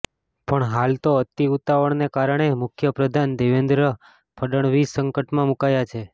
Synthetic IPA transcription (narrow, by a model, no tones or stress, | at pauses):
pəɳɦalt̪oət̪iut̪aʋəɳnekaɾəɳ̃emʊkʰjəpɾəd̪ʱand̪eʋend̪ɾə | pʰəɗəɳ̃ʋisəŋkəʈmãmukajat͡ʃʰe